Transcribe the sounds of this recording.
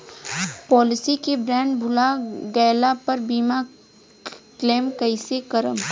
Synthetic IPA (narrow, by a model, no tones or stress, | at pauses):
pɔːlɪsikebɾɛ̃ːɳɖbʱʊlaɡɛːlapɐɾbiːma | kleːmkɐɪsekɐɾə̰m